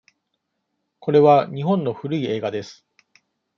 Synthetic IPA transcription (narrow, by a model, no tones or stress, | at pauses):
ko̞ɾe̞βaɲ̟iɦõ̞nːo̞ɸɯ̟ɾɯ̟ie̞ːɡad̪e̞sɨ̥